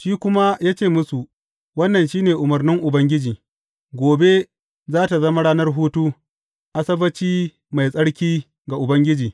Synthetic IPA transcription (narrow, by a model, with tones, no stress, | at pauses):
ʃiː˦kʷʊ˦ma˦jaː˦t͡ʃeː˦˨mʊ˦su˨ | wɐ˦nːɐ˨nʃiː˦neː˨ʔʊ˨mɐ˨rnɪ˦ŋʔʊ˨bɐ˦ŋɡʲɪ˦d͡ʒiː˨ | ɡʷoː˨be˦ | zaː˦ta˨zɐ˦ma˦ɽaː˦nɐ˦rɦuː˦tu˦ | ʔa˦sɐ˦bɐ˦t͡ʃiː˦ | ma˨jsʼɐ˦ɽkʲiː˦ | ɡa˨ʔʊ˨bɐ˦ŋɡʲɪ˦d͡ʒiː˨